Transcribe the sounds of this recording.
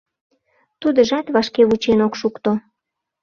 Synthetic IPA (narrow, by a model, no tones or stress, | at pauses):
t̪ud̪əʒɑt̪βɑʃkeβut͡ɕenokʃukt̪o